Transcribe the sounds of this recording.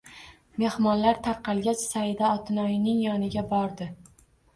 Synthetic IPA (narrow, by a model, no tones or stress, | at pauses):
me̞hmɒnlaɾt̪ʰaɾqʰɑlˠɡʲat͡ʃsaɪd̪aɒt̪ʰɪnɒjɪnɪŋjɒnɪɡʲabɒɾd̪ɪ